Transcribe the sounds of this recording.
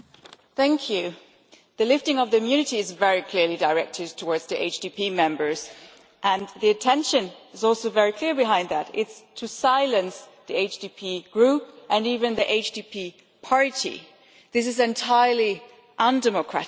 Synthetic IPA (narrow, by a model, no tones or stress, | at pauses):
θæ̃ŋkʰjʉ | ðɨlɪftɪ̃ŋʌvðɨmjʉnɨɾiɨzvɛɹikʰl̥ɪɹlidəɹɛk̚tʰɨd̚tʰəwɔɹdz̥ðiʔḛɪt͡ʃd̥ipʰimɛ̃mbə˞z | ʔə̃nðiɨtʰɛ̃nʃɨ̃nɨzɔlˠsoʊvɛɹikʰl̥ɪɹbɨɦãɪ̃nðæɾɪtstʰɨsaɪlˠɨ̃nsðieɪt͡ʃd̥ipʰiɡ̥ɹup̚ʔɨ̃nivɨ̃nðiʔeɪt͡ʃd̥ipʰi | pʰɑɹɾḭ | ðɪs̬ɨzɨ̃ntʰaɪə˞li | ʔə̃ndɛməkʰɹ̥æ̰ɾ